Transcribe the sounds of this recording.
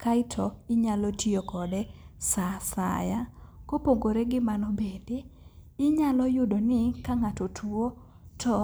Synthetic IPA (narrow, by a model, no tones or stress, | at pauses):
kaɪtʰɔɪɲalɔtiokʰɔdɛsasa̰jakopoŋɡoɾeɡɪmanɔbedeː | ɲalɔjʊdonɪkaŋatɔtʰuo | tʰɔ